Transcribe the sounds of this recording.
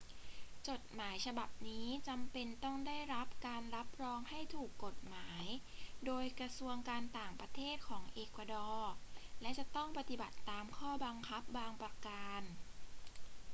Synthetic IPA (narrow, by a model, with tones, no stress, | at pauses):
t͡ɕo˨˩t̪̚maː˩˦jt͡ɕʰa˧ba˨˩p̚niː˦˥t͡ɕa˧mpe˧nt̪ɔ˥˩ŋdaː˥˩jɾa˦˥p̚kaː˧nɾa˦˥p̚ɾɔː˧ŋha˥˩jt̪ʰuː˨˩kːo˨˩t̪̚maː˩˦jdoː˧jkɾa˧su˧əŋkaː˧nt̪aː˨˩ŋpɾa˧t̪ʰeː˥˩t̪̚kʰɔː˩˦ŋʔeː˧˩kwa˧dɔː˧lɛ˦˥t͡ɕa˨˩t̪ɔ˥˩ŋpa˧t̪i˨˩ba˨˩t̪ːaː˧mkʰɔː˥˩ba˧ŋkʰa˦˥p̚baː˧ŋpɾa˧ka˧n